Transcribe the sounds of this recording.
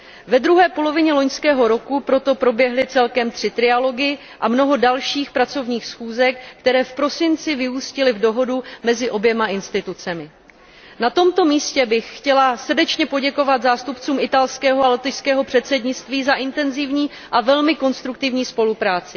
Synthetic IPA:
vɛd̪ɾuɦɛːpo̞lo̞vɪɲɛlo̞ɲskɛːɦo̞ɾo̞kupɾo̞t̪o̞pɾo̞bjɛɦlɪt͡sɛlkɛmt̪r̥ɪt̪ɾɪalo̞ɡɪ | ʔamno̞ɦo̞dalʃiːxpɾat͡so̞vɲiːxsxuːzɛkːt̪ɛɾɛːfpɾo̞sɪnt͡sɪvɪuːscɪlɪvdo̞ɦo̞dumɛzɪʔo̞bjɛmaʔɪnst̪ɪt̪ut͡sɛmɪ | nat̪o̞mt̪o̞miːscɛbɪxxcɛlasr̩dɛt͡ʃɲɛpo̞ɟɛko̞vat̪zaːst̪upt͡suːmɪt̪alskɛːɦoalɛt̪ɪjskɛːɦo̞pr̝̥ɛt̪sɛdɲɪt͡st̪viːzaʔɪnt̪ɛnzɪvɲiː | ʔavɛlmɪko̞nst̪ɾuk̚t̪ɪvɲiːspo̞lupɾaːt͡sɪ̥

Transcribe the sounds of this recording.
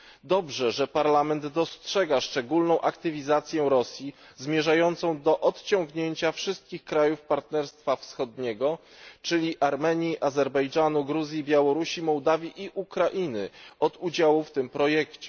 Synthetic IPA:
d̪ɔbʐɛʐɛpaɾlamɛnd̪ːɔstʂɛɡaʂt͡ʂɛɡulnɔ̃w̃ʔakt̪ɘvʲizat̪sʲjɛɾɔsʲji | zmʲjɛʐajɔnt̪sɔ̃w̃d̪ɔʔɔt̪t͡ɕɔŋɡɲeɲt͡ɕafʂɘst̪̚kʲixkɾajufpaɾt̪nɛɾst̪fafsxɔd̪ɲɛɡɔ | t͡ʂɘlʲiʔaɾmɛɲiʔazɛɾbɛjd͡ʐanuɡɾuzʲjibʲjawɔɾuɕimɔwd̪avʲjiʔiʔukɾaʔinɘɔd̪ud͡ʑawuft̪ɘmpɾɔjɛkt͡ɕɛ

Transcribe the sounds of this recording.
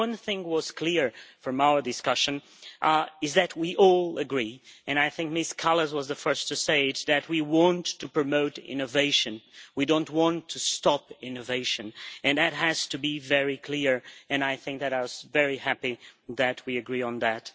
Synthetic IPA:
ʌ̃nθɪ̃ŋwʌz̥kʰl̥ɪɹfɹʌ̃maʊə˞dɨskʌʃɨ̃n | ɨzðɨt̚ʰwiʔɔlˠəɡɹiɨ̃naɪθɪ̃ŋk̚mɪskʰɑlˠəzwʌzðɨfɜ˞stʰɨseɪðɨt̚wiwɑ̃ntʰːɨpɹ̥ɨmoʊɾɪ̰̃noveɪʃɨ̃nwidõʊ̃nt̚wɑ̃ntʰɨstɑpɪ̃noveɪʃɨ̃nɨ̃nðɨt̚ɦɨz̥tʰɨbivɛɹikʰl̥ɪɹɨ̃naɪθɪ̃ŋk̚ðɨɾaɪwʌzvɛɹihæpiðɨt̚wiɨɡɹiə̃nðɨt

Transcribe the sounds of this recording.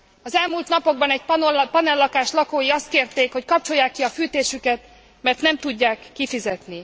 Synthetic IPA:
ɒzɛlmuːlt̪nɒpo̞ɡ̚bɒnɛɟ̚pɒnɛlːɒkaːʃlɒkoːjiɒst̪̚keːrt̪eːkho̞ckɒp̚t͡ʃo̞jːaːkːiɒfyːt̪eːʃykɛt̪ | mɛrt̪nɛmt̪uɟːaːkːifizɛt̪ni

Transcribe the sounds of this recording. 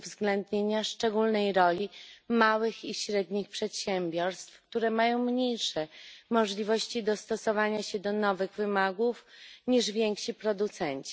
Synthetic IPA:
vzɡlɛnd̪ɲeɲaʂt͡ʂɛɡulnɛjɾɔlʲimawɘxiɕɾɛd̪ɲixpʂɛt̪ɕɛmʲbʲjɔɾst̪fk̚t̪uɾɛmajɔ̃w̃mɲejʂɛmɔʐlʲivɔɕt͡ɕid̪ɔst̪ɔsɔvaɲaɕɛd̪ɔnɔvɘɣvɘmaɡufɲiʐvʲjeŋkɕipɾɔd̪ut̪sɛɲt͡ɕi

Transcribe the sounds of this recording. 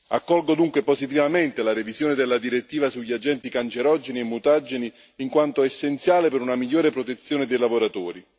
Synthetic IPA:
akːɔlɡod̪uŋkweposit̪̬ivament̪elaɾevizjoːned̪ɪlːad̪iɾet̪ːiːvasuʎːiad͡ʒɛnt̪ikant͡ʃeɾɔd͡ʒeniemːut̪ad͡ʒːeniː | ŋkwant̪oesːent̪sjaːlepeɾunamiʎːoːɾepɾot̪et̪sːjoːned̪ejlavoɾat̪oːɾi

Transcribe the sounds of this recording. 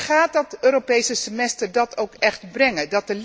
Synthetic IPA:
χaːt̚dɑtøːɾopejsəsəmɛstəɹdɑtowkɛχtbrɛŋədɑt̚əl

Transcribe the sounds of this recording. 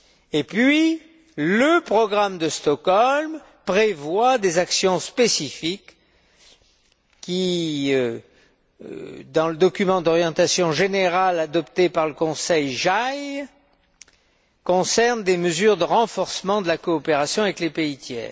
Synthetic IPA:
epɥi | ləpχɔɡʁamd̪əst̪ɔkɔlm | pχevwad̪ezaksjɔ̃spesifik | iø | d̪ɑ̃ləd̪ɔkʲymɑ̃d̪ɔʁjɑ̃t̪asjɔ̃ʒeneʁalad̪ɔp̚t̪epaʁləkɔ̃sɛjʒaj | kɔ̃sɛʁnd̪eməzyʁd̪əʁɑ̃fɔʁsəmɑ̃d̪əlakɔːpeʁasjɔ̃avɛklepeit̪jɛ̰ːʁ

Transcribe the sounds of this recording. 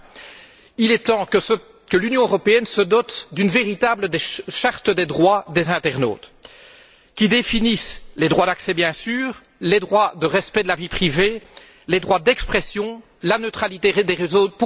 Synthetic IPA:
ilɛt̪ɑ̃ | kəlynjɔ̃øʁɔpeɛnsəd̪ɔt̪d̪ynveʁit̪abləd̪eʃaʁt̪əd̪ed̪ʁwad̪ezɛ̃t̪ɛʁno̰ːt̪ | kʲid̪efinisled̪ʁwad̪aksɛbjɛ̃syːʁ | led̪ʁwad̪əʁɛspɛd̪əlavipχive | led̪ʁwad̪ɛkspχɛsjɔ̃ | lanøt̪χalit̪eʁed̪eʁezopu

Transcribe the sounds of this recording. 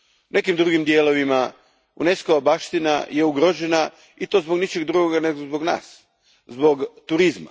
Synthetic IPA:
unʔe̞kimd̪ɾuɡimd̪jeːlo̞ʋima | une̞skoʋabaʃt̪ina̰je̞uɡɾo̞ːʒe̞na | it̪o̞ːzboɡnit͡ʃeɡd̪ɾuɡoɡaneɡozboɡna̰ːs | zbo̞ɡt̪uɾizma̰

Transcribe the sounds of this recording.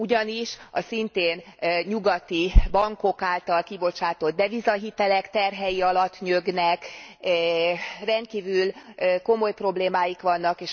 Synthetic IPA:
uɟɒniʃɒ̰sint̪eːnɲuɡɒt̪ibɒŋko̞kaːlt̪ɒlkibo̞t͡ʃaːt̪o̞d̪̚d̪ɛvizɒɦit̪ɛlɛkt̪ɛrɦɛjiɒlɒt̪ːɲøɡnɛk | rɛnt̪̚kiːvylko̞mo̞jpro̞bleːmaːjikʋɒnːɒkeːʃ

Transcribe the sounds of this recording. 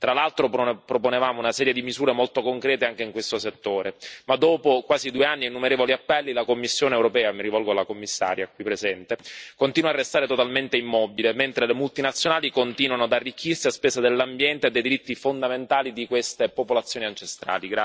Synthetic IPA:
t̪ɾalalt̪ɾopɾoponevaːmounasɛːɾjed̪imizuːɾemolt̪okoŋkɾɛːt̪eaŋk̟eiŋkwest̪oset̪ːoːɾʔemad̪ːoːpokwaːzid̪ueanːinːumeɾeːvoliapːɛlːilakomːisːjoːneːwɾopɛːamiɾivɔlɡoalːakomːisːa̰ːɾjakwipːɾezɛnt̪ekont̪iːnwarːest̪aːɾet̪ot̪alment̪eimːɔbilement̪ɾelemult̪inat̪sːjonaːlikont̪iːnwanoad̪arːik̟ːirsiaspeːsad̪elːambjɛnt̪ead̪ːejd̪iɾit̪ːifond̪ament̪aːlid̪ikwest̪epopolat̪sːjoːniant͡ʃest̪ɾa̰ːliɡɾa

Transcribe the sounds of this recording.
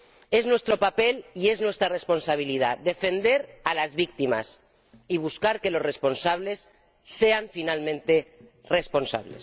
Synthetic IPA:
eznwest̪ɾopapelieznwest̪ɾaresponsaβ̞ilið̞ad̪efend̪eɾalazβik̚t̪ima̰s | iβ̞uskaɾkelosresponsaβ̞lesː | eaɱfinalmẽnt̪e | responsa̰βlḛs

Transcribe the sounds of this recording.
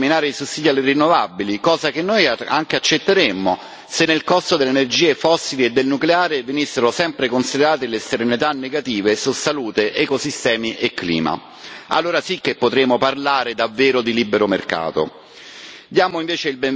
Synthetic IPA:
minaːɾeisusːiːd̪ialːerinːovabilikɔːzak̟enːoja̰ŋk̟eat͡ʃːet̪ːeɾemːo | senːelkɔst̪od̪elenerd͡ʒiːefɔsːilied̪ːelnukleaːɾevenisːeɾosɛmpɾekonsid̪eɾaːt̪elest̪eɾenit̪anːeɡat̪iːvesusːaluːt̪eʔɛkosist̪ɛːmiʔekːlḭːma̰ | a̰lːoːɾasik̟ːepːot̪ɾeːmoparlaːɾed̪avːeːɾod̪ilibːeɾomerka̰ːt̪o̰ | d̪jaːmoiɱveːt͡ʃeilbem

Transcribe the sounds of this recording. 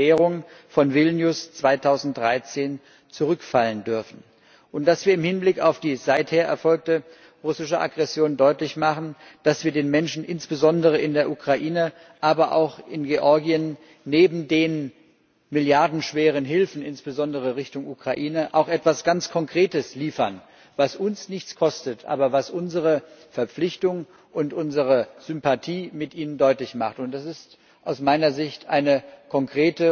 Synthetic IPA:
eːʁʊŋfɔnvɪlnjʊst͡sv̥aɪtʰaʊzn̩t̚d̥ʁaɪt͡seːn | t͡suʁʏkfaləndʏɐfn̩ | ʔʊntd̥asv̥iːɐɪmhɪnblɪkaʊfd̥iːzaɪtheːɐʔɛɐfɔlk̚tə | ʁʊsɪʃəʔa̰ɡʁɛsjoːndɔʏtlɪçmaχn̩d̥asv̥iːɐdeːnmɛnʃn̩ʔɪnsb̥əzɔndəʁ̞əɪndeːɐʔukʁ̥aʔiːnə | ʔaːbɐʔa̰ʊxʔɪnɡeʔɔɐɡiənː | eːbm̩deːn | mɪljaɐdn̩ʃv̥eːʁ̞ənɦɪlfn̩ɪnsb̥əzɔndəʁ̞əʁɪçtʊŋʔukʁ̥aʔiːnəʔaʊxʔɛtv̥asɡ̥ant͡skʰɔŋkʁ̥eːtəsliːfɐn | vasʔʊnsnɪçt͡skʰɔstətʰʔa̰ːbɐvasʔʊnzəʁəfɛɐp͡flɪçtʊŋ | ʔʊntʔʊnzəʁəz̥ʏmpatʰiːmɪtʔiːnəndɔʏtlɪçmaχtʊnt̚d̥asɪst | ʔaʊsmaɪnɐzɪçtʰʔa̰ɪnəkʰɔŋkʁ̥eːtə

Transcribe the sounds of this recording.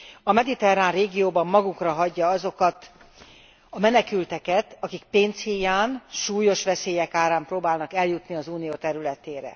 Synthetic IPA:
ɒmɛd̪it̪ɛraːnreːɡijoːbɒmːɒɡukrɒɦɒɟːɒɒzo̞kɒt̪ | ɒmɛnɛkylt̪ɛkɛt̪ɒkik̚peːnshijaːnʃuːjo̞ʃʋɛseːjɛkaːɾaːmproːbaːlnɒkɛljut̪niɒzuːnijoːt̪ɛɾylɛt̪eːɾɛ̰

